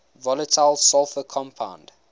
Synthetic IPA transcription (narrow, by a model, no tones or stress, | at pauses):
vɔlətʰaɪlˠsɔlfəkʰɔ̃mpʰã̰ʊ̃nd